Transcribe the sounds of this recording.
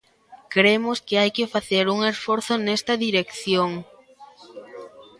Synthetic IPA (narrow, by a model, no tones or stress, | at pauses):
kɾemoskɪajkɪfaθeɾuŋesfoɾθʊnest̪ɐðiɾekθjoŋ